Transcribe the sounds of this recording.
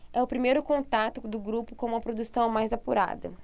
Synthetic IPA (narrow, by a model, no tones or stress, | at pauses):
ɛʊpɾimejɾʊkõnt̪at̪ʊd̪ʊɡɾupʊkõũmɐpɾod̪usɐ̃w̃majzapuɾa̰d̪ɐ̰